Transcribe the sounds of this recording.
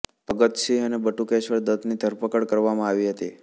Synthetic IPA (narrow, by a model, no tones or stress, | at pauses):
pəɡət̪ʃiənebəʈukeʃʋəɾd̪əd̪nid̪ʱəɾpəkəɽkəɾʋamãaʋiɦət̪i